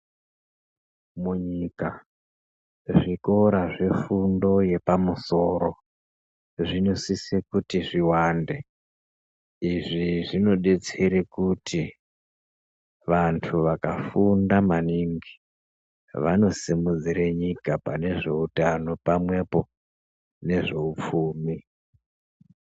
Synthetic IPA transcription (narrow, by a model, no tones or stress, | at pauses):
muɲika | ʐiko̞ɾaʐe̞fundo̞je̞pamuso̞ɾo̞ | ʐino̞sisekutiʐiwande̞ | iʐiʐino̞ɗe̞t͡seɾekutʰi | ʋantʰuʋakafundamaniŋɡi | ʋano̞simud͡ziɾeɲikapane̞ʐe̞utano̞pamwe̞po̞ | ne̞ʐe̞up͡fuːmi